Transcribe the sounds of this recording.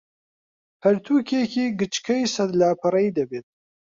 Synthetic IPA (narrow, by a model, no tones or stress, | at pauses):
hɐɾt̪ʰuːkʰekiːɡɨt͡ʃkʰɐjsɐd̪laːpʰɨɾɐid̪ɐbeːt̪̚